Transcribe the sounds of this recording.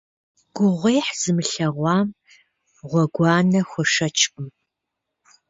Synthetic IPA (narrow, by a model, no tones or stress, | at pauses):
ɡ̥ʷʊʁʷeːħz̥ɨmɨɬɐʁʷɑːm | ʁʷɔɡʷɑːnɐxʷɔʂɐt͡ʃʰʼʊm